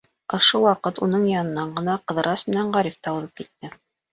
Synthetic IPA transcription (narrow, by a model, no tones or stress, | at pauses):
ŏʃowɑqɤt̪unɤɴjɑnɤ̆nːɑɴɢɤ̆nɑqɤ̆ðɤ̆ɾɑsmɘ̆næɴʁɑɾift̪ɑɤðɤp̚kit̪̚ːɘ